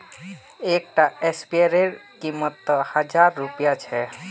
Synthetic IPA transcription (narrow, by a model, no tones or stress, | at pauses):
ek̚ʈaespieɾeɾkimːət̪ːɔhad͡ʒaɾːupijat͡ʃʰɛ